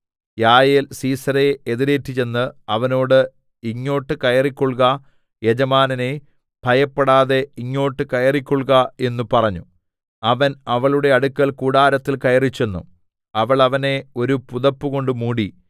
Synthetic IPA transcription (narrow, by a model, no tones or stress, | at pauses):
jaːjelsiːsɐɾeeðiɾe̞ːtːit͡ɕe̞nːɨɐʋɐno̞ːɽɨ | iɲːo̞ːʈːɨkɐjɐrikʲːoɭkɐ | jed͡ʑɐmaːnɐne | b̥ʱɐjɐpːɐɽaːðe̞iɲːo̞ːʈːɨkɐjɐrikʲːoɭkɐe̞nːupɐrɐɲːu | ɐʋɐnɐʋɐɭuɽe̞ɐɽukːɐɭkuːɽaːɾɐt̪ːilkɐjɐrit͡ɕːe̞nːṵ | ɐʋɐɭɐʋɐne̞o̞ɾupuðɐpːuɣo̞ɳɖɨmuːɽi